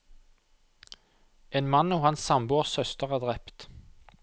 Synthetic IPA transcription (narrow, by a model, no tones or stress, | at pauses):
ʔeːnmɑnːoːhɑnssɑmbuːɔʁsœst̪əʁəd̪ʁɛpt̪